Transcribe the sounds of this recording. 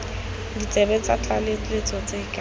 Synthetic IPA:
dit͡sʼɛbɛt͡sʼa̰t͡ɬʼaleet͡sʰʼɔt͡sekʼa

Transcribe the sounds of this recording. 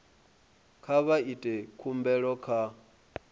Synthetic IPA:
kʰaβaitʼɛkʰumbɛɺɔkʰa

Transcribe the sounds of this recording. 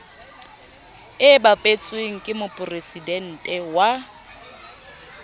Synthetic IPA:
ɪbapʼet͡sʼweŋ̩kʼɪmʊpʼʊresidɛn̩ːtʼɛwa

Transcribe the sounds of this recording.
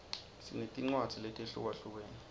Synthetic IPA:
sḭnetʼiŋ͡ǀwadd͡z̥ʱiletʼeɬṵk̬waɬuk̬weːni

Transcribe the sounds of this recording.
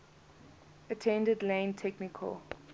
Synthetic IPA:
ətʰɛ̃ndədlẽntʰɛknɪkʰə̰l

